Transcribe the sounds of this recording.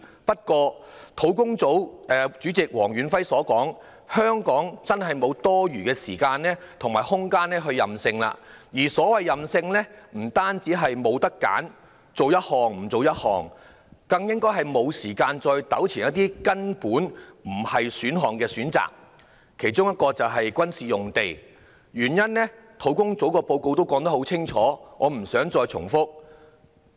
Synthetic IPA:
pɐ˥t̚kɔː˧t̪ʰo˨˥wkʊ˥ŋt͡so˨˥wɛː˨t͡syː˨˥t͡sɪ˨k̚wɔː˨˩ŋɥyː˨˥nfɐ˥jsɔː˨˥kɔː˨˥ŋ | hœː˥ŋkɔː˨˥ŋt͡sɐ˥nɦɐ˨jmo˨˧wt̪ɔː˥ɥyː˨˩kɛː˧siː˨˩kaː˧nlɛː˥t̪ʰŋmaː˨˩jhʊ˥ŋkaː˥nːɛː˥ɦɵ˧ɥjɐ˨msɪ˧ŋla̰ː˧jiː˨˩sɔː˨˥wɐ˨jːɐ˨msɪ˧ŋlɛː˥m̩˨˩t̪aː˥nt͡siː˨˥ɦɐ˨jmo˨˧wt̪ɐ˥kːa̰ː˨˥n | t͡so˨wjɐ˥t̚hɔː˨˩ŋm̩˨˩t͡so˨wjɐ˥t̚hɔ̰ː˨ŋ | kɐ˧ŋjɪ˥ŋkɔː˥jɦɐ˨jmo˨˧wsiː˨˩kaː˧nt͡sɔː˧jt̪ɐ˨˥wt͡sʰiː˨˩njɐ˥t̪iː˥kɐ˥npuː˨˥nm̩˨˩hɐ˨jsyː˨˥nɦɔː˨ŋkɛː˧syː˨˥nt͡sa̰ː˨k̚ | kʰe˨˩jt͡sʊ˥ŋjɐ˥t̚kɔː˧t͡sɐ˨wɦɐ˨jkʷɐ˥nsiː˨jʊ˨ŋt̪e˨j | jyː˨˩njɐ˥nːɛː˥ | t̪ʰo˨˥wkʊ˥ŋt͡so˨˥wkɔː˧po˧wko˧wt̪o˥wkɔː˨˥ŋt̪ɐ˥ho˨˥wt͡sʰɪ˥ŋt͡ʃʰɔː˨˥ŋɔː˨˧m̩˨˩sœː˨˥ŋt͡sɔː˧jt͡sʰʊ̰˨˩ŋfʊ˥k̚

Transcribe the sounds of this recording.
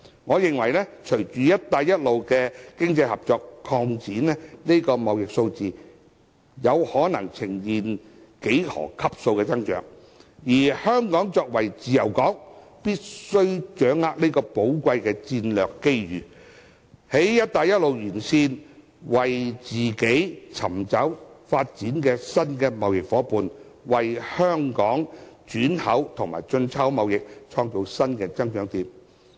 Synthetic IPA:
ŋɔː˨˧jɪ˨ŋwɐ˨˩jnɛː˥t͡ʃʰɵ˨˩ɥt͡ʃyː˨jɐ˥t̚t̪aː˧jːɐ˥t̚lo˨wkɛː˧kɪ˥ŋt͡sɐ˧jhɐ˨˩p̚t͡ʃɔː˧kʰɔː˧ŋt͡siː˨˥nɛː˥niː˥kɔː˧mɐ˨wjɪ˨k̚so˧wt͡siː˨ | jɐ˨˧whɔː˨˥nɐ˨˩ŋt͡sʰɪ˨˩ŋjiː˨n | ke˨˥jhɔ̰ː˨˩kʰɐ˥p̚so˧wkɛː˧t͡sɐ˥ŋt͡ʃœ̰ː˨˥ŋ | jiː˨˩hœː˥ŋkɔː˨˥ŋt͡sɔː˧k̚wɐ˨˩jt͡siː˨jɐ˨˩wkɔː˨˥ŋ | piː˥t̚sɵ˥ɥt͡ʃœː˨˥ŋːaː˧k̚ni˥kɔː˧po˨˥wkʷɐ˧jkɛː˧t͡siː˧nlœː˨kːe˥jɥyː˨ | he˨˥jːɐ˥t̚t̪aː˨˧jɐ˥t̚lo˨wjyː˨˩nsiː˧n | wɐ˨jt͡siː˨ke˨˥jt͡sʰɐ̰˨˩mt͡sɐ˨˥wfaː˧t̚t͡siː˨˥nkɛː˧sɐ˥nkɛː˧mɐ˨wjɪ˨k̚fɔː˨˥puː˨n | wɐ˨jhœː˥ŋkɔː˨˥ŋt͡ʃyː˨˥nhɐ˨˥wt̪ʰʊ˨ŋma̰ː˨˩jt͡ʃɵ˧nt͡sʰɐ˥wmɐ˨wjɪ˨k̚t͡ʃʰɔː˧ŋt͡so˨˧wsɐ˥nkɛː˧t͡sɐ˥ŋt͡ʃœː˨˧˥ŋt̪iː˨˧m

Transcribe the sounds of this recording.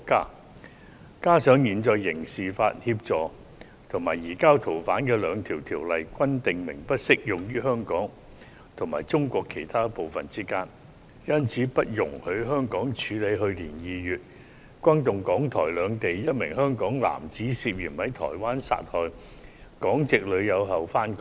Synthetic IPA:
kaː˥ | kaː˥sœː˨˥ŋjiː˨nt͡sɔː˧jːɪ˨˩ŋsiː˨fa̰ː˧t̚hiː˧p̚t͡sɔː˨˧ | t̪ʰʊ˨˩maː˨˩jjiː˨˩kaː˥wt̪ʰo˨˩wfaː˨˥nkɛː˧lœː˨˧ŋt̪ʰiː˨˩wt̪ʰiː˨˩wlɐ˨jkʷɐ˥nt̪ɪ˨ŋmɪ˨˩ŋpɐ˥t̚sɪ˥k̚jʊ˨˩ŋjyː˥ɦœː˥ŋkɔː˨˥ŋ | t̪ʰʊ˨˩ŋmaː˨˩jt͡sʊ˥ŋkʷɔː˧kʰːe˨˩jt̪ʰaː˥po˨wfɐ˨nt͡siː˥kaː˥n | jɐ˥nt͡sʰiː˨˥pɐ˥t̚jʊ˨˩ŋhɵ˨˧ɥɦœː˥ŋkɔː˨˥ŋt͡ʃʰyː˨˧˥le˨˧jɦɵ˧ɥliː˨˩njiː˨˧jyː˨t̚ | kʷɐ˥nt̪ʊ˨ŋkɔː˨˥ŋt̪ʰɔː˨˩jlœː˨˧ŋt̪e˨jjɐ˥t̚mɪ̰˨˩ŋɦœː˥ŋkɔː˨˥ŋla̰ː˨˩mt͡siː˨˥siː˧p̚jiː˨˩mhɐ˨˥jt̪ʰɔ̰ː˨˩jwaː˥nsa̰ː˧t̚hɔː˨˧j | kɔː˨˥ŋt͡sɪ˨k̚lɵ˨˧ɥjɐ˨˧wɦɐ˨wfaː˥nk

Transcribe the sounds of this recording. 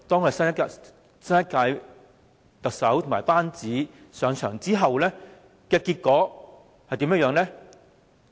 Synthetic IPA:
t̪ɔː˥ŋkɔː˧ɐ˨˩sɐ˥nɐ˥˧ | sɐ˥njɐ˥t̚kaː˧j | t̪ɐ˨k̚sɐ˨˥wt̪ʰʊ˨˩maː˨˩paː˥nt͡siː˨˥sœː˨˧ŋt͡ʃʰœː˨˩ŋt͡siː˥ɦɐ˨wlɛː˥ | kɛː˧kiː˧t̚kɔː˨˥ | hɐ˨jt̪i˨˧mjɐ˥jœː˧ŋlɛː˥

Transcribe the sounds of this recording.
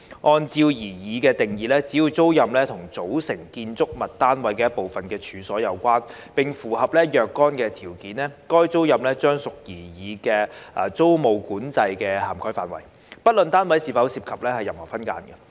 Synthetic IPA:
ʔɔː˧nt͡siː˧wjiː˨˩jiː˨˧kɛː˧t̪ɪ˨ŋjiː˨˧lɛː˥t͡siː˨˥juː˨˧wt͡so˥wjɐ˨mlɛː˥t̪ʰʊ˨˩ŋt͡so˨˥wsɪ˨˩ŋkiː˧nt͡sʊ˥k̚mɐ˨t̚t̪aː˥nwɐ˨˥jkɛː˧jɐ˥t̚po˨wfɐ˨nkɛː˧t͡ʃʰyː˨˧sɔː˨˥jɐ˨˧wkʷaː˥n | pɪ˨ŋfuː˨˩ɦɐ˨p̚lɛː˥jœː˨˧kːɔː˥nkɛː˧t̪ʰiː˨˩wkiː˨˥nlɛː˥kɔː˥jt͡so˥wjɐ˨mlɛː˥t͡ʃœː˥ŋsʊ˨k̚jiː˨˩jiː˨˧kɛː˧ʔɐː˨t͡so˥wmo˨wkuː˨˥nt͡sɐ˧jkɛː˧haː˨˩mkʰɔː˥jfaː˨nwɐ̰˨˩j | pɐ˥t̚lɵ˨nt̪aː˥nwɐ˨˥jsiː˨˧fɐ˨˥wsiː˧p̚kʰɐ˨p̚lɛː˥hɐ˨jːɐ˨mhɔː˨˩fɐ˥nka̰ː˧nɡɛ˧

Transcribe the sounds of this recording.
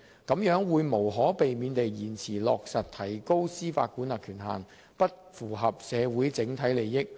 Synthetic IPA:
kɐ˨˥mjœː˨˥ŋwuː˨˧jmo˨˩wɦɔː˨˥pe˨jmiː˨˧nt̪e˨jːiː˨˩nt͡sʰiː˨˩lɔː˨k̚sɐ˨t̚t̪ʰɐ˨˩jko˥wsiː˥fa̰ː˧t̚ku˨˥nlaː˨˩kʰyː˨˩nɦa̰ː˨n | pɐ˥t̚fuː˨˩ɦɐ˨p̚sɛː˨˧wuː˨˥jt͡sɪ˨˥ŋt̪ʰɐ˨˥jle˨jːɪ˥k̚

